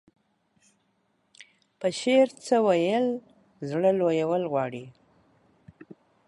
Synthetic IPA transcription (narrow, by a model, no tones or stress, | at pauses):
pəʃeɾt͡səwajəl | zɽəlojawəlɣwɑɽi